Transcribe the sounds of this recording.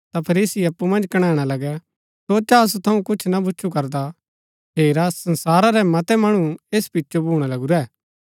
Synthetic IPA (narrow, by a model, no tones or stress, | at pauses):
t̪apʰɐɾiːsiɐpːumɐ̃nd͡ʒkɐɽ̃aːɽ̃alɐɡɛ | sot͡ʃaɐs̬ut̪ʰɐũkʊt͡ʃʰnabʊːt͡ʃʰukɐɾd̪a | ɦeːɾasɐ̃nsaːɾaɾɛmɐt̪ɛmɐɽ̃ueːspɪtːt͡ʃobʱuːɽ̃alɐɡuɾɛː